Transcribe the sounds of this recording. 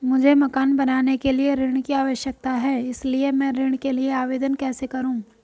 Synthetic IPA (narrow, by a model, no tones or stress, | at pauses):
mʊd͡ʒʱemɐkaːnbɐnaːnekelieɾɪɽ̃kiaːʋəʃjək̚t̪aɦɛːɪsliemɛ̃ɾɪɽ̃kelieaːʋeːd̪ənkɛːsekɐɾũː